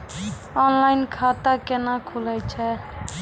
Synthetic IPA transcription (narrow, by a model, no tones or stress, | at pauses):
ɔnlaɪnkʰat̪akenakʰuləjt͡ʃʰɛ